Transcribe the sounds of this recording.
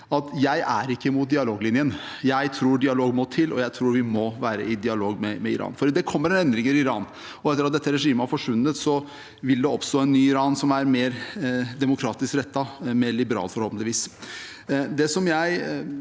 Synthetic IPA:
ɑt̪jæɪʔæ̰ɾɪkːəmʊt̪̚d̪ɪɑloːɡlɪnjən | jæɪt̪ʰɾuːɖɪɑloːɡmɔt̪ʰɪlʔɔ̰jæɪt̪ʰɾuːɾʋɪmɔʋæːɾə̰ɪd̪ɪɑloːɡmɛmɛɪɾɑ̰ːnfɔɾd̪ɛkʰɔmːəɾɛnɛnd̪ɾɪŋəɾɪɪɾɑːn | ɔɛt̪ːəɾɑt̪̚d̪ɛt̪ːəɾɛʂiːməæɾfɔʂʋʉnːət̪sɔ | ʋɪld̪ɛɔpst̪oːɛnːyːɪɾɑːnsɔmæɾmeːɾd̪ɛmʊkʰɾɑːt̪ɪskɾɛt̪ːɑmɛːɭɪbəɾɑ̰ːlfɔɾhɔlpnɪʋiːs | d̪ɛsɔmjæɪ

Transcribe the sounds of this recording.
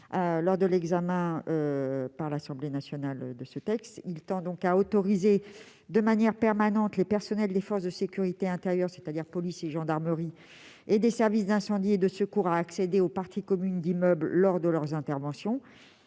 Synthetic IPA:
lɔʁd̪əlɛɡzamɛ̃øpaʁlasɑ̃blenasjɔnald̪əsət̪ɛkst̪ilt̪ɑ̃d̪ɔ̃kaot̪ɔʁize | d̪əmanjɛʁpɛʁmanɑ̃t̪lepɛʁsɔnɛld̪efɔʁsd̪əsekʲyʁit̪eɛ̃t̪eʁjœʁse̥t̪ad̪iʁpɔliseʒɑ̃d̪aʁməʁi | ed̪esɛʁvisd̪ɛ̃sɑ̃d̪ied̪əsəkuʁaːksed̪eopaʁt̪ikɔmynd̪imœblːɔʁd̪əlœʁzɛ̃t̪ɛʁvɑ̃sjɔ̃

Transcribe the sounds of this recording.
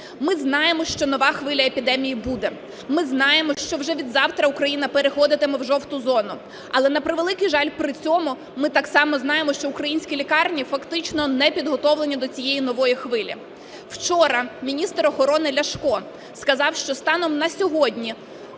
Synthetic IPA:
mɪznɑjemɔʃt͡ʃɔnɔʋɑxʋɪlʲɐepʲid̪ɛmʲijibud̪ɛ | mɪznɑjemɔʃt͡ʃɔwʒɛʋʲid̪zɑwt̪ɾɐukɾɐjinɐpeɾexɔd̪ɪt̪emɛwʒɔwt̪ʊzɔnʊ | ɐlˠɛnɐpɾɪʋelˠɪkɪjʒɑlʲpɾɪt͡sʲɔmʊ | mɪt̪ɑksɑmɔzn̪ɑjemɔʃt͡ʃɔukɾɐjinʲsʲkʲilʲikɑrnʲifɐkt̪ɪt͡ʃnɔnɛpʲid̪ɦɔt̪ɔwlˠenʲid̪ɔt͡sʲijejinɔʋɔjixʋɪlʲḭ | w̥t͡ʃɔɾɐmʲinʲist̪ɾɔxɔɾɔnɪlʲɐʃkɔ | skɐzɑwʃt͡ʃɔst̪ɑnɔmnɐsʲɔɦɔdʲnʲi

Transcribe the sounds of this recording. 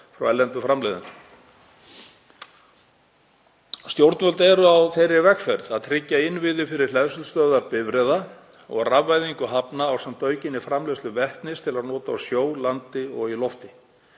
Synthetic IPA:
fɾa̰wɛlɛnt̪ʏfɾamlejðʏ̰nʏ | st̪jowɾt̪nvœlt̪ɛɾʏawθejɾːɪvɛkfɛɾðaðt̪ʰɾɪcːaɪnːvɪðɪfɪɾɪɾ̥l̥ɛðsʏlst̪œðaɾpɪvɾɛða | ɔ̰ɣravːajðiŋkʏɦapnaːwsɛmt̪œːɥcɪnːɪfɾamleslʏvɛht̪nɪst̪ʰɪlaðnɔːt̪aːwsjoːwlant̪ɪɔɣilɔft̪ɪ

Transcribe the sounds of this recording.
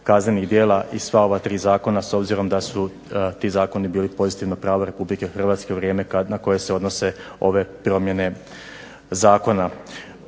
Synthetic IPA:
kazne̞niɣd̪je̞ːlˠaʔisʋao̞ʋat̪ɾiːzaːko̞naso̞bziɾo̞md̪asu | t̪izaːko̞nibiːlipo̞zit̪iʋnopɾaːʋoɾe̞publike̞xr̩ʋaːt̪ske̞uʋɾje̞ːme̞kanako̞je̞se̞o̞d̪no̞se̞o̞ʋe̞pɾo̞mje̞ne̞ | zaːko̞na

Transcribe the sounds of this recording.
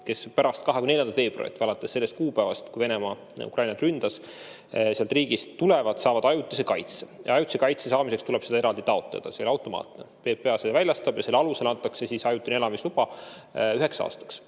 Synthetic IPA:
ke̞spæɾɑst̪̚kɑɦekymnljɑnd̪ɑlt̪ve̞ːb̥ro̰jit̪ːɑlɑt̪ːˑesːe̞lːest̪̚kuːpˑævɑst̪kujve̞nemɑ̰ | ṵkʔɑjnɑt̪rynd̪̥ɑs | seɑlt̪riːɡ̥ist̪ːule̞vɑd̪̥sɑːvɑd̪̥ɑjut̪ːˑisekɑjt̪sejʔɑ̰ɑjut̪ːˑisekɑjt̪sesɑːmisekst̪uleb̥se̞d̪ɑeɾɑld̪̥it̪ɑo̞t̪ˑlḛd̪̥ɑselɑwt̪ːˑo̞mɑ̰ːt̪nḛpe̞ːpːe̞ɑsevælʲjɑst̪ɑb̥jɑse̞lːɑluse̞lɑnt̪ːˑɑksesisɑjut̪ːˑinielɑmislub̥ɑyɦe̞ksɑ̰ːst̪ɑ̥ks

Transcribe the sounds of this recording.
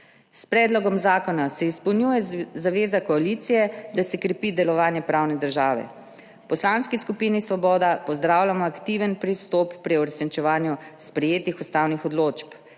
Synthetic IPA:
spɾɛːd̪lɔɡɔmzaːkɔnasɛispɔwnjuːjɛzaʋeːzakɔaliːt̪sijɛd̪asɛkɾɛpid̪ɛlɔʋaːnjɛpɾaːwnɛd̪əɾʒaːʋɛ̰ | pɔslanskiskupiːnisʋɔbɔːd̪apɔzd̪ɾaːwlʲjamɔakt̪iːʋənpɾist̪ɔpːɾiɔɾɛsnit͡ʃɛʋaːnjuspɾɛjeːt̪ixust̪aːwnixɔd̪loːt͡ʃp

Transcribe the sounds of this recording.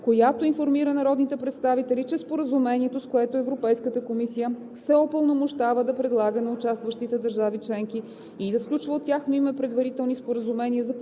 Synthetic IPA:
kojat̪oinfoɾmiɾənɐɾɔd̪nit̪ɛpɾɛt̪st̪avit̪ɛlʲit͡ʃɛspoɾəzumɛniɛt̪oskoɛt̪oɛvɾopɛjskət̪əkomisijə | sɛɔpəlˠnomoʃt̪avəd̪ɐpɾɛd̪lˠaɡənɐʊt͡ʃast̪vəʃt̪it̪ɛd̪ɐɾʒavit͡ʃlɛŋki | id̪ɐsklʲut͡ʃvəot̪ʲːjaxnoimɛpɾɛd̪vɐɾit̪ɛlˠnispoɾəzumɛnʲiəzɐ

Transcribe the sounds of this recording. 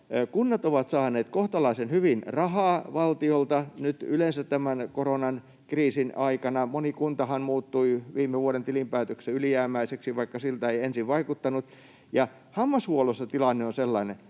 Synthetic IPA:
kunːɑt̪oʋɑt̪sɑːneːt̪koht̪ɑlɑisenhyʋinrɑhɑːʋɑlt̪iolt̪ɑnyt̪ylensæt̪t̪æmænkoronɑn | kriːsinɑikɑnɑmonikunt̪ɑhɑnmuːt̪ːuiʋiːmːˑeʋuoɾent̪ilimpæːt̪økseylijæːmˑæiseksiʋɑikːɑsilt̪æeiensiʋʋɑikut̪ːɑnut̪ | jɑ | hɑmːɑshuolosːɑt̪ilɑnːeonselːɑine

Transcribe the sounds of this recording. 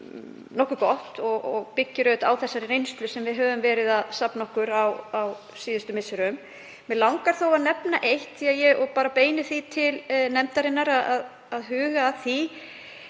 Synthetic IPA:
nɔhkʏɾkɔht̪ɔɣɔɣpɪcːɪɾœɥt̪awθɛsːaɾɪɾejnst̪lʏsɛmvɪðɦœːvʏmvɛːɾɪðaðsapnɔhkʏɾawaw | siːðʏst̪ʏmɪsʏɾʏm | mɛlawŋkaɾ̥θowaðnɛpnaʔejht̪θiaðjɛɔɣpaːɾapeːjnɪθit̪ʰɪlnɛmt̪aɾɪnːaɾaðað | aðɦʏːɣaːθi

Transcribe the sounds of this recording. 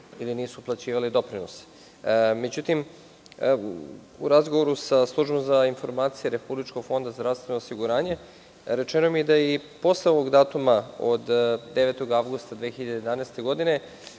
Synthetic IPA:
iliniːsuplˠat͡ɕiːʋalid̪o̞pɾinos | me̞d͡ʑut̪im | ṵɾazɡo̞ʋo̞ɾusaslˠuʒbomzainfo̞ɾmaːt̪sijeɾe̞publit͡ʃko̞ɡ̥fo̞nd̪azd̪ɾavst̪ʋe̞nosiɡuɾaːɲe̞ | ɾe̞t͡ʃenomijed̪aipo̞sleo̞ʋo̞ɡd̪aːt̪umao̰d̪d̪e̞ʋet̪o̞ɡaʋɡust̪ad̪ʋeːçiʎad̪ejed̪anest̪e̞ɡo̞d̪ine̞

